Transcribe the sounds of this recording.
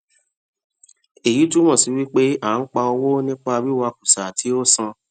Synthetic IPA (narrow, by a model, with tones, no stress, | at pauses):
e˨ji˨˦tu˦mɔ̃˦˨si˨˦wi˦k͡pe˦a˦˨˦n̩˦k͡pa˧o˧wo˦nĩ˦k͡pa˧bi˦wa˧ku˨sa˨tʰi˨˦o˦sã˧